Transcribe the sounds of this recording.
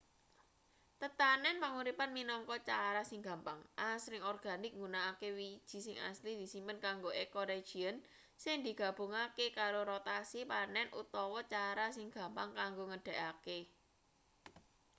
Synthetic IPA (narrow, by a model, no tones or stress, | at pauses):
t̪ət̪anɛnpaŋuɾipanminɔŋkɔt͡ʃaɾasɪŋɡä̤mpaŋʔasɾɪŋɔrɡ̥a̤nɪk̚ŋɡunaːkewid̥ʒ̥i̤sɪŋa̰slid̪̥i̤simpənkaŋɡoʔekoɾe̥ʒ̥iən | sɪŋd̪i̤ɡ̥ä̤b̥o̤ŋakekaɾoɾot̪asipanɛnʔṵt̪ɔwɔt͡ʃaɾas̬ɪŋɡ̥ä̤mpaŋkaŋɡoŋəɖ̥ɛ̤kake